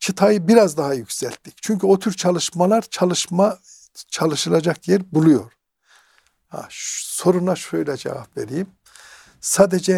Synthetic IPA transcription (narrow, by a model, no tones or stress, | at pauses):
t͡ʃʰɯt̪ʰajɯbiɾazd̪aɦajycʲsælʲt̪ʰːi̥ct͡ʃʰyɲcyo̞t̪ʰyɾt͡ʃʰalˠɯʃmalˠaɾt͡ʃʰalˠɯʃma | t͡ʃʰalˠɯʃɯlˠad͡ʒakjɛɾbulˠujo̞ɾ̥ | ha̰ʃso̞ɾunaʃø̞jlʲɛd͡ʒɛ̰va̰pve̞̰ɾijim | saːd̪ed͡ʒɛ